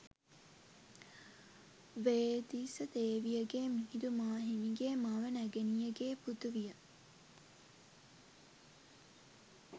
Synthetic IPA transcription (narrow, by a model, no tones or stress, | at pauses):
ʋeːd̪iːsət̪eːʋijəɡeːmihid̪umaːɦimiɡeːmaʋənæɡenijəɡeːput̪uʋijə